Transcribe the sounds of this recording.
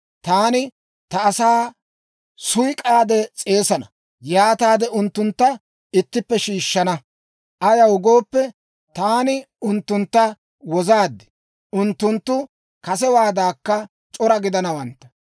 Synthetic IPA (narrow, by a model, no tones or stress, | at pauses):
t̪aːnɪ | t̪ɐːsaː | sʊjkʼaːd̪ɛt͡sʼe̞ːsɐnɐ | jaːt̪aːd̪ɛʊnt̪ːʊnt̪ːɐ | ɪt̪ːɪpːɛʃiːʃːɐnɐ | ʔɐjɐwʊɡo̞ːpːɛ | t̪aːnɪ | ʊnt̪ːʊnt̪ːɐ | wɔzaːd̪ːɪ̥ | ʊnt̪ːʊnt̪ːʊ | kɐsɛwaːd̪aːkːɐ | t͡ʃʼɔɾɐɡɪd̪ɐnɐwɐnt̪ːɐ̥